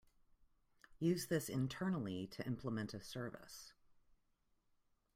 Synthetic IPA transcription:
jʉzðɪsɨ̃ntʰɜ̃˞nl̩ˠiɾɨʔɪ̃mpʰləmɛ̃ntɨsɜ˞vɨ̰s

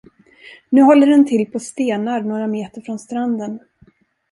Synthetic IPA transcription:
nʉ̟ːɦɔlːəɖɛnt̪ʰɪlpʰɔst̪eːnaɾnoːɾameːt̪əɾfɾɔnst̪ɾand̪ən

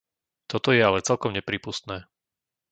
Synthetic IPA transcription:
t̪ɔt̪ɔjɛalɛt͡sɛlkɔmɲɛpɾiːpust̪nɛː

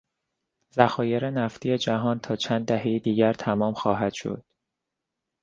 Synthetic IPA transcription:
zæxɒːje̞ɾenæft̪ʰijed͡ʒæɦɒːnt̪ʰɒːt͡ʃʰænd̪d̪ːæhejid̪iːɟæɾt̪ʰæmɒːmxɒːɦæd̪̥ʃo̰d̪̥

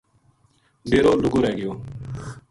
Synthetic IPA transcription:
beːɾoːlʊɡoɾɛːɡɪjoː

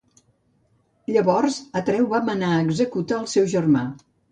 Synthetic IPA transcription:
ʎəβɔrzət̪ɾɛwβamənaəɡzəkut̪əːlˠsɛwʒərma

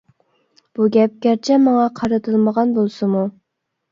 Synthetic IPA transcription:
b̥uɡʲɛp̚kʲæɾt͡ʃʰɛmɑŋɑqʰɑɾɨt̪ʰɨlˠməʁɑnbolˠsɨmu

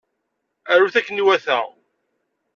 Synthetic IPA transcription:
æɾuθækːəniwæθæ

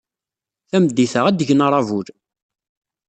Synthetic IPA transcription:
θæməd̪ːiθəʁæd̪əʝənəɾˤɑvuɾ

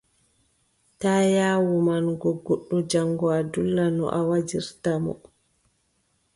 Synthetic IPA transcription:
taːjaːwumanɡɔɡːoɗːɔd͡ʒaŋɡɔadulːanɔ̰ʔawad͡ʒiɾtamɔ̰

